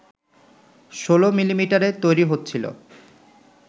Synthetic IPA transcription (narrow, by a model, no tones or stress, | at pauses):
ʃolomilimiʈaɾet̪ojɾiɦot̪ːɕʰilo̰